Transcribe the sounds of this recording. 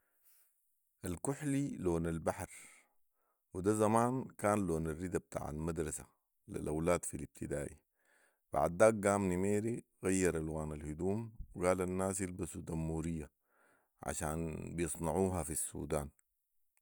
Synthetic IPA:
ʔalkuħliloːnalbaħɾ | wid̪azamaːnkaːnloːnarːid̪ab̚t̪ʰa̰ːʕa̰lmad̪ɾˤɑsa̰ | lḭlʔawlaːd̪filib̥̚t̪ʰid̪aːʔḭ | b̥a̰ʕd̪ːaːk̚ɡaːmnimeːɾiɣajːɑɾˤalwaːnalhud̪uːmwiɡaːlanːaːsjilbasud̪amːuːɾijːa | ʕa̰ʃaːnbijɨsˤnɑʕuːɦafisːṵːd̪aːn

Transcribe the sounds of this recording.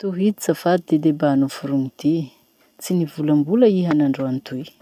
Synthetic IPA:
t̪uɦid̪it͡safad̪id̪ed̪ebanufuɾuŋit̪i | t͡sinivulambuləiɦanaɳɖ͡ʐoanit̪uj

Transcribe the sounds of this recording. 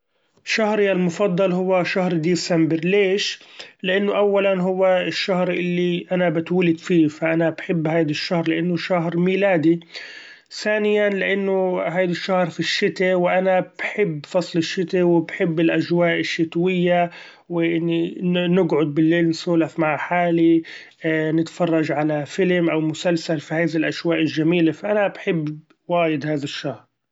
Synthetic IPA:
ʃahɾɪjːalmʊfɑd̪ˤːɑlɦʊwːaʃahɾd̪iːsambɪɾleːʃlɪʔanːʊʔawːalanɦʊwːaɪʃːahɾʔɪlːiʔanabɪt̪wʊlɪd̪fiːfaʔanabħɪbːhaːd̪aʃːahɾlɪʔanːʊʃahɾmiːlaːd̪i | θaːnɪjanlɪʔanːʊɦaːd̪aʃːahɾfiʃːɪt̪ewʔanab̥ħɪbːfɑsˤlɪʃːɪt̪awɪbħɪbːɪlʔaʒwaːʔɪʃːɪt̪wɪjːa | wɪʔɪnːinɪɡʕʊd̪̚bɪlːeːlnsuːlafmaʕħaːli | nɪt̪fɑrˤːɑʒʕalafɪlɪmʔawmʊsalsalfihaːðilʔaʃwaːʔɪlʒːamiːlafaʔanabħɪbː | waːjɪd̪haːðaʃːahɾ

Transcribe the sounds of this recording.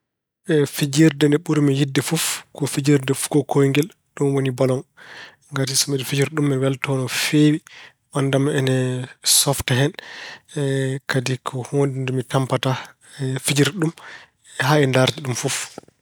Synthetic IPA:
ɛfid͡ʒiɾdɛndɛɓuɾmɛjidːɛfufkɔfid͡ʒiɾdɛfkɔkʰojŋɡɛl | ɗumwonibalɔn | ŋɡatisɔmɛdɛfid͡ʒiɾɗumːɛwɛltɔnɔfeːwi | mandamɛnɛsɔftɛɦɛn | kadikʰɔhondindɔmitampata | fid͡ʒiɾɗum | ɦaɛndaɾd͡ʒiɗumfuf

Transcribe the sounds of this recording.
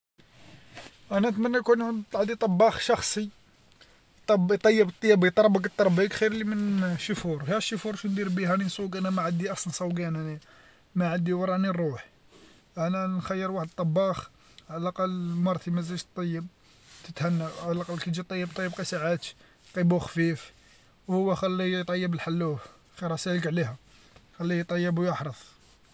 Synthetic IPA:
ʔænæt̪mænːækunʕd̪t̪ˤʕd̪it̪ˤɑbːɑxʃɑxsˤi | t̪ˤɑbt̪ˤɑjːəbət̪ˤːɑjːæbit̪ˤɑɾˤbəɡət̪ˤːɑɾˤbəkxiɾlimənʃʊfuɾˤhæʃːʊfuɾˤʃund̪iɾbihæninsˤuɡʔænæmaʕad̪iʔɑsˤɑnsˤɑwɡænæni | mæʕad̪ːiwɑɾˤɑnirˤuħ | ʔænænxæjːəɾwaħəd̪̚t̪ˤːɑbɑx | ʕalælʔɑqɑlmɑɾˤt̪imæzælʃt̪ˤːɑjːəb̚ | t̪ət̪hænːæʕalæʔqɑlːkæt̪d͡ʒit̪ˤɑjːəb̚t̪ˤɑjːəb̚qɑsaʕat̪ | q̪ˤibuxfif | whʊwːæxælːijt̪ˤɑjːəbəlħalːu | xiɾˤɑsæləkʕlihæ | xælːijt̪ˤɑjːəbujəħɾˤəfˤ

